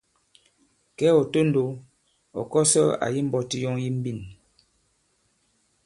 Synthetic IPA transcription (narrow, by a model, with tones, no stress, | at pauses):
kɛ˦ɔ˨to˦n˨do˨˦ | ɔ̰˨kɔ˦sə˦a̰˨ji˦m̩˦bɔ˦ti˦jɔ˦ŋji˦m̩˦bi˦˨n